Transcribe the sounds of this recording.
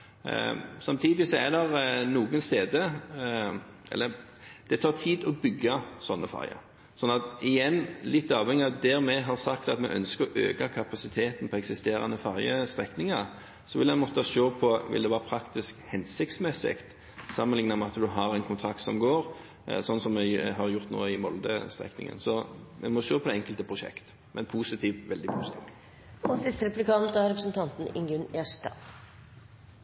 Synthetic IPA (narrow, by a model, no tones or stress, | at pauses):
sɑmt̪ʰiːd̪ɪɪsɔɛd̪ɛʁnuːɡənst̪eːd̪ə | ɛ̰lːəɾ | d̪̥ɛt̪ʰɑːʁt̪ʰiːd̪ɔbʏɡːɑsɔnːəfɑ̰ɾjə̰ɾ | sɔnːɑt̪ɪjɛnːlɪt̪ːɑːʋhɛŋɪɑt̪̚d̪ɛɾmɛɦɑɾsɑkt̪ɑt̪mɛ̰ʔœ̰nskəɾɔʔø̰ːkɑkʰɑpɑsɪt̪ʰeːt̪n̩pʰɔɛksɪst̪eːɾɑ̰nəfɑɾjəst̪ʁɛknɪŋɑɾ | sɔʋɪlɛnmɔt̪ːəʃoːpʰɔʋɪ̰ld̪ɛʋɑːʁpʰɾɑkt̪ɪskhɛnsɪk̚t̪smɛsɪ̰kt̪ | sɑmənlɪŋnəmɛɑt̪d̪ʉɦɑɾɛnkʰʊnt̪ʰɾɑkt̪sɔmɡoːɾ | sɔnːsɔmːɛɦɑɾjʊʁt̪no̰ːəɪmɔld̪ə̰st̪ʁɛ̰knɪ̰ŋə̰nsɔmɛnmɔʃøːpʰɔd̪ɛɛŋkəlt̪əpʰʁʊʃɛ̰kt̪ | mʔɛnpʰuːsɪt̪ʰiːʋʋɛld̪ɪpʰusɪ̥t̪ʰiːʋ | ɔsɪst̪əɾɛplɪkʰɑnt̪ɑɾɛpɾəsn̩t̪ʰɑnt̪n̩ɪŋɡʉneːʂt̪ɑ̰ː